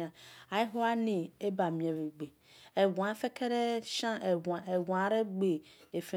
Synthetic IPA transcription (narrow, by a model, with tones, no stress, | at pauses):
ã˨a˨je˦ɦo˦a˦nĩ˨e˦ba˨mĩ˨ã˨ve˨ɡ͡be˨ | ɛ˨wũ˨a˨fɛ˦kʰɛ˦ɖɛ˦ʃã˦˨ɛ˨wũ˨a˨ɾɛ˦ɡ͡be˨e˨fe˨